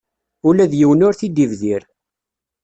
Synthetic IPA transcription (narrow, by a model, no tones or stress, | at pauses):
ulæðjiwənʊɾθid̪ivðiɾ